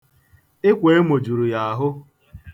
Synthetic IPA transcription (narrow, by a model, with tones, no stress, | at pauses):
ɪ˦kʷe˨e˦mo˨d͡ʒu˨ɾu˨ja˨a˨ɦʊ˦